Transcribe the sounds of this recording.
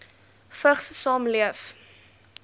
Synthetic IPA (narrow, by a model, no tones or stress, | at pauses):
fəχsəsɑːmliəf